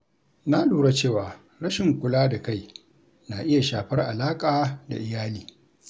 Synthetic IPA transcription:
na˦luː˨ɽa˦t͡ʃeː˦˨waː˨ | ɾɐ˦ʃɪ˨ŋkʷʊ˨laː˦da˨ka˦˨j | na˨ʔɪ˦ja˨ʃaː˨ɸɐ˦rʔa˨laː˦kʼaː˨da̰˨ʔɪ˨jaː˦liː˨˦

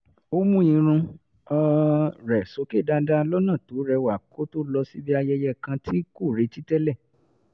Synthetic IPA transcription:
o˦mũ˦ĩ˧ɾ̃ũ˧ | a˧ɾɛ˨so˨˦ke˦˨da˦da˦lɔ˦nã˦˨to˨˦ɾɛ˧wa˨kʰo˦to˦lɔ˧si˦bi˦a˧jɛ˧jɛ˦˨kã˧tʰi˦ku˦˨ɾe˨˦ti˦tɛ˦lɛ˦˨

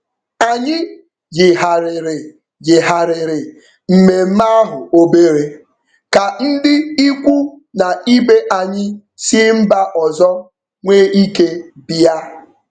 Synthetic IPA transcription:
a˨ɲɪ˦ | jɪ˨ɦa˨ɾɪ˨ɾɪ˨ | jɪ˨ɦa˨ɾɪ˨ɾɪ˨ | m̩˨me˨m̩˦ma˦a˦ɦʊ˨o˦be˦ɾe˦ | ka˨n̩˦dɪ˦i˦kʷu˦ | na˨i˦be˦ʔa˨ɲɪ˦ | sɪ˦m̩˦ba˦ʔɔ˨zɔ˦ | ŋʷeː˦i˦ke˦bi˦a˦

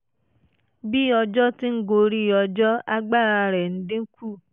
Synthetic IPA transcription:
bi˦ɔ˧d͡ʒɔ˦ti˦ŋ̩˦ɡo˧ɾi˦˨ɔ˧d͡ʒɔ˦a˧ɡ͡ba˦˨ɾa˧ɾɛ˨n̩˦dĩ˦ŋ̩˦ku˦˨

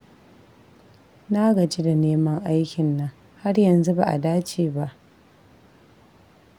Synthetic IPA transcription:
naː˦ɡɐ˨d͡ʒi˦da˨neː˦mɐ˦ŋʔa˦jkʲɪ˨nːɐ˦ŋ | ha˦ɽjɐ˨nzu˦ba̰˨ʔa̰˨daː˦t͡ʃeː˨ba˦ʔ

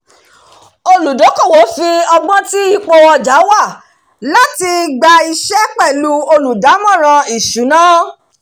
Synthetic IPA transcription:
o˧lu˨do˨˦ko˦˨wo˨˦fi˧ɔ˧ɡ͡bɔ̃˦ti˦i˦˨k͡po˧ɔ˧d͡ʒa˨˦wa˦˨ | la˦ti˧ɡ͡ba˧i˧ʃɛ˦k͡pɛ˦˨lu˦o˧lu˨da˨˦mɔ̃˦˨ɾ̃ã˧i˨ʃu˨˦nã˦

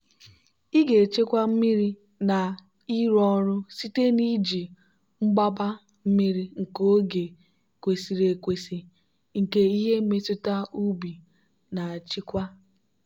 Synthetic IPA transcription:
i˦ɡe˨t͡ʃe˦kʷa˦m̩˦mi˦ɾi˦ | na˨ | i˦ɾɔ˦ɾʊ˦si˦te˦ni˦d͡ʒi˨ | ŋ͡m̩˦ɡ͡ba˦ba˦ | m̩˦mi˦ɾi˦ŋ̩˨ko˦ɡe˨ | kʷe˨si˨ɾe˨kʷe˨si˨ | ŋ̩˨ke˦i˦ɦe˦me˦tʊ˦ta˦u˦bi˨ | na˨t͡ʃi˦kʷa˦

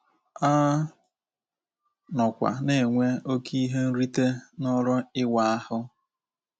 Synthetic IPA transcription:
a˦ | nɔ˨kʷa̰˨ne˨ŋʷe˦o˦ki˦ɦe˦n̩˦ɾi˦te˦nʊ˦ɾʊ˦ɪ˦wa˨a˦hʊ˦

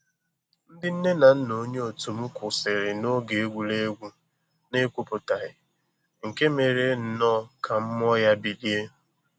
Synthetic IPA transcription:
n̩˦dɪ˦n̩˦ne˦na˨n̩˦no˦ɲe˦o˨tu˨m̩˦kʊ˨sɪ˨ɾɪ˨no˦ɡe˨e˦ɡʷu˨le˦ɡʷu˦ | ne˦kʷu˦pʊ˨ta˨ɦɪ˨ | ŋ̩˨ke˦me˨ɾe˨˦n̩˨nɔ˦˨kʰa˨m̩˦m˦ɔ˦ja˦bi˨li˦e˦

